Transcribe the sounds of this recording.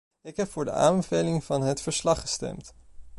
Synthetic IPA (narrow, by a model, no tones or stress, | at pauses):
ɪkɦɛpfʊːɹdə̰a̰ːmbəvejlɪŋvɑnɦətfəɹslɑχəstɛ̰mt